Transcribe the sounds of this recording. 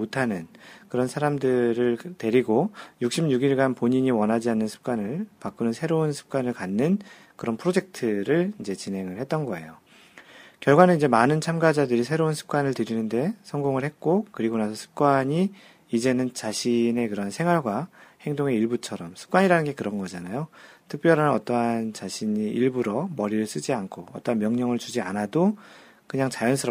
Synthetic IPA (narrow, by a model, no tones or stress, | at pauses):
otʰanɯnkɯɾʌnsʰaɾamdɯɾɯɭte̞ɾiɡojuk̚ɕ͈imɲuɡiɭɡanpoɲiɲiwʌnɦad͡ʑianːɯnsʰɯ̥p̚k͈wanɯɭpak͈unɯnsʰe̞ɾounsʰɯ̥p̚k͈wanɯɭkanːɯn | kɯɾʌnpʰɯɾod͡ʑe̞k̚tʰɯɾɯɭind͡ʑe̞t͡ɕinɦe̞ŋɯɭhe̞t̚t͈ʌnɡʌe̞̰jo | kjʌɭɡwanɯnid͡ʑemanɯnt͡ɕʰamɡad͡ʑadɯɾisʰe̞ɾounsʰɯ̥p̚k͈wanɯɭtɯɾinɯnde̞sʰʌŋɡoŋɯɭhe̞t̚k͈okɯɾiɡonasʰʌsʰɯ̥p̚k͈waɲi | id͡ʑe̞nɯnt͡ɕaɕʰine̞kɯɾʌansʰe̞ŋɦwaɭɡwahe̞ŋdoŋe̞iɭbut͡ɕʰʌɾʌmsʰɯ̥p̚k͈waɲiɾanɯnɡe̞kɯɾʌnɡʌd͡ʑanajotʰɯk̚p͈jʌɾanɯnʌt͈ʌɦant͡ɕaɕʰiɲiʔiɭbuɾʌmʌɾiɾɯɭs͈ɯd͡ʑiankʰoʌt͈ʌɦanmjʌŋɲʌŋɯɭt͡ɕud͡ʑianado | kɯɲaŋt͡ɕajʌnsʰɯɾʌ